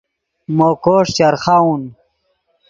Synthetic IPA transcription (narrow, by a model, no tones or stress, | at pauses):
mokoːʂt͡ɕaɾχaun